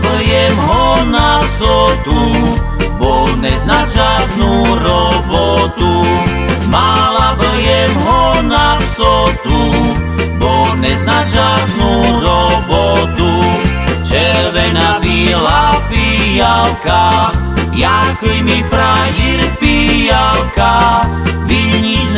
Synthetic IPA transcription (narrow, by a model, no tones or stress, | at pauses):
bl̩jɛmɦɔnazɔd̪u | bɔnɛznaʒad̪nuɾɔbɔt̪u | malabl̩jɛmɦɔnavzɔd̪u | bɔnɛznaʒad̪nuɾɔbɔt̪ut͡ʃɛɾʋɛnavilapijalka | jakijmifɾajiɾpijalka | ʋiʎɲiz